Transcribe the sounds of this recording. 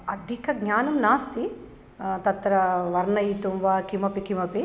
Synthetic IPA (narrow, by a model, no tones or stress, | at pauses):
ɐd̪ʱikɐɡɲaːnɐmnaːst̪i | t̪ɐt̪ɾɐʋɐɾnɐjit̪umʋakimɐpikimɐpi